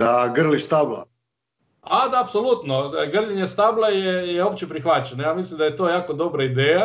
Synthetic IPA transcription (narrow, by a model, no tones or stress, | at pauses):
d̪aɡr̩list̪abla̰ | ad̪aːpsolut̪noɡr̩liɲest̪ablˠajejeopt͡ɕepɾixʋat͡ɕenajaːmislimd̪ajet̪oːjaːkod̪o̞bɾaid̪eːja